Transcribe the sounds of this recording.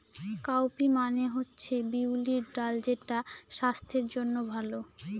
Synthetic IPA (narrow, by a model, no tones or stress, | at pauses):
kawpimaneɦotːɕʰebiwliɾɖald͡ʑeʈaʃast̪ʰeɾd͡ʑonːobʱalo